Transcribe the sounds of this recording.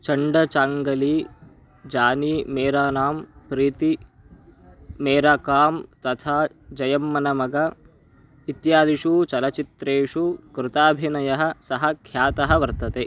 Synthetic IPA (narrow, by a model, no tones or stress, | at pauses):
t͡ʃɐɳɖɐt͡ʃaːŋɡɐliː | d͡ʒaːniːmeːɾaːnaːmpɾiːt̪i | meːɾaːkaːmt̪ɐt̪ʰaː | d͡ʒɐjɐmːɐnɐmɐɡɐ | it̪jaːd̪iʂut͡ʃɐlɐt͡ʃit̪ɾeːʂukɾɪt̪aːbʱinɐjɐɦɐ̆sɐɦɐkʰjaːt̪ɐɦɐʋɐɾt̪ɐt̪eː